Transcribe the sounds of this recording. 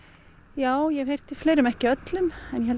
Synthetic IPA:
jaːwjɛɣhejr̥t̪ifleːjɾʏmɛhcɪœt̪lʏmɛnjɛhɛl

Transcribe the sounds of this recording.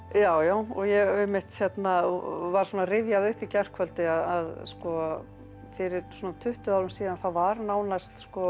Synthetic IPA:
jaːwjaːwɔɣjɛɣɛmɪht̪çjɛt̪navaɾ̥sɔːnarɪðjaðʏhpicɛr̥kʰvœlt̪ɪaðaðskɔ | fɪɾɪɾsɔːnat̪ʰʏht̪ʏawɾʏmsiːðanθavaɾnaːwnast̪skɔ

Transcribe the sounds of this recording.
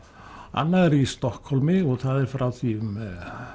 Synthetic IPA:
a̰nːaɛɾist̪ɔhkʰhɔlmɪɔt̪ʰaðɪɾfɾʔawt̪ʰiːm

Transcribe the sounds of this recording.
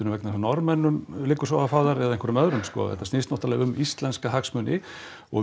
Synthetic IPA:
ʏɾʏmvɛknanɔɾmɛnːʏmlɪːkːʏ̥ɾ̥sawafaːðaɾɛðaeŋkʰvœɾʏmœðɾʏmskɔ̰a̰ðɛ̰t̪ast̪ɪːst̪nɔht̪alɛːɣʏmist̪lɛnskahaksmœnɪ | ɔ̰ɣ

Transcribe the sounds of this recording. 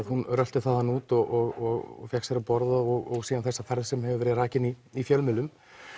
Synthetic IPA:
ðhunrœlt̪ɪθaðanːuːt̪ɔɣʔɔɣɔɣɔ̰fjaksɛɾapɔɾðaɔɣɔɣsiːðanθɛsːafɛɾðsɛmhɛvɪvɛɾɪraːcɪni | ifjœlmɪlːʏm

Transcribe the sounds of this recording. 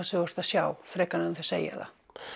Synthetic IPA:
sewost̪aʃjawfɾɛkanõnθesḛja̰ða̰

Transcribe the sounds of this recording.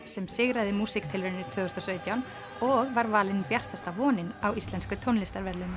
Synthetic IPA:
sɛmsɪɣɾaðɪmuːsɪkt̪ʰɪlvʏɾʏnɪt̪ʰʏːɣʏst̪ɔsœːɥt̪jawn | ɔɣvaɾvaːlɪnpjar̥t̪ast̪avɔːnɪnawist̪lɛnskʏt̪ʰownlɪst̪aɾvɛɾlʏm

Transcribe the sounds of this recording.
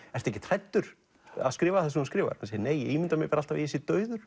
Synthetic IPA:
ɛɾ̥r̥t̪ɛhcɪ̥t̪ʰɾajt̪ːʏɾ̥ | a̰ðskɾɪːvaθɛs̬uunskɾɪːva̰ɾ̥hanseːjneːjɛimɪnt̪amɛɣpɛːɾalt̪avɪ̰ɛsɪt̪œːɥðʏɾ̥

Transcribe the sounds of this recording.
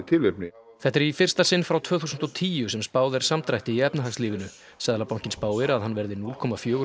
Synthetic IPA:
t̪ʰɪlːʏp̚nɪ | θɛht̪ɛɾifɪr̥st̪asɪnfɾawt̪ʰvœːθuːsʏnt̪ɔt̪ʰiːjʏsɛmspaːwðɛɾ̥samt̪ɾajht̪ɪiɛpnaɦaksliːvɪnʏ | sɛðalapawŋ̥cɪnspaːwvɪɾaðɦanːvɛɾðɪnuːlkʰɔːmafjœːɣ

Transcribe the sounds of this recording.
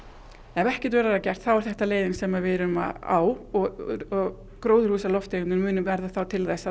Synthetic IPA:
ɛvɛhcɛ̥t̪vɛːɾaɛɾcɛr̥t̪θawɛɾ̥θɛht̪aleːjðɪnsɛmavɪɾʏma̰a̰wɔɔɣ | kɾoːwðʏɾhuːsalɔft̪eːjʏnʏnmʏːnʏmvɛɾðaθawt̪ʰɪlθɛsːa

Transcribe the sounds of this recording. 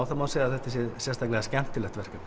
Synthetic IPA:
wθamaːðsɛːðaθɛht̪asjɛsjɛst̪ʰaklɛɣascɛm̥t̪ɪlɛht̪vɛr̥kʏm

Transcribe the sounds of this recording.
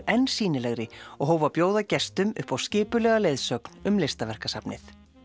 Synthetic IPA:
ɛnːsiːnɪlɛɣɾɪɔɣɦoːwvapjoːwðacɛst̪ʏmʏ̰hpawscɪːpʏlɛːɣalejðsœkn̥ʏmlest̪avɛr̥kasapnɪ̰θ

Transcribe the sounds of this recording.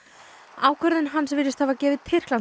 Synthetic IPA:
aːwkʰvœɾðɪnɦansvɪɾɪst̪havacɛːvɪðt̪ʰɪr̥klan

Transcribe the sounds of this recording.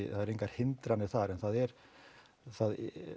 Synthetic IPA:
θaðɛɾeŋkaɾ̥hɪnt̪ɾanɪθaɾɛnθaðɛɾ | θað

